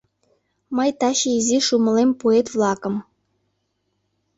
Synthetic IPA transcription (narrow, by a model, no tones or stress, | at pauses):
məjt̪ɑɕiiziʃumɤ̆lempoet̪vlˠɑkɤ̆m